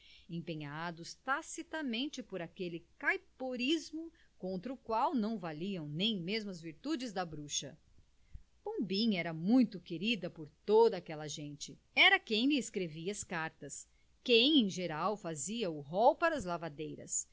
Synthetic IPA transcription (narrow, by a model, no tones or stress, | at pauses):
ẽpẽɲad̪ʊst̪asit̪ɐmẽnt͡ʃɪpoɾakelɪkajpoɾizmʊkõnt̪ɾɐʊkwawnɐ̃w̃valiɐ̃w̃nẽj̃mezmɐzviɾt̪ud͡ʒɪzd̪ɐbɾuʃɐ̰ | b̥õbĩɲɛɾɐmũj̃t̪ʊkeɾid̪ɐpoɾt̪od̪ɐaːkɛlɐʒẽnt͡ʃɪ | ɛɾɐkẽj̃lɪeskɾeviɐɐskaɾt̪ɐs | kẽj̃ẽj̃ʒeɾawfaziɐʊɦɔwpaɾɐzlavad̪ejɾɐ̰s